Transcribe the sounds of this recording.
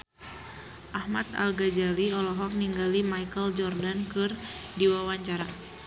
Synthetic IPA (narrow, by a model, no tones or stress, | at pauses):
ʔahmat̪a̰lɡad͡ʒaliɔlɔɦɔk̚niŋɡalimajkəld͡ʒɔrdankɨrdiwawaɲt͡ʃaɾa